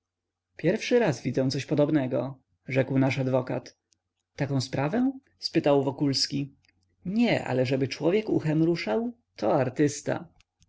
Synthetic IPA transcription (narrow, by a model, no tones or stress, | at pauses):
pʲjɛɾfʂɘɾazvʲid̪zɛ̃w̃t̪sɔɕpɔd̪ɔbnɛɡɔ | ʐɛkwnaʂad̪vɔka̰t̪ | t̪akɔ̃spɾavɛ̃ | spɘt̪awvɔkulskʲi | ɲɛʔa̰lɛʐɛbɘt͡ʂwɔvʲjɛkuxɛmɾuʂaw | t̪ʰɔaɾt̪ɘst̪a̰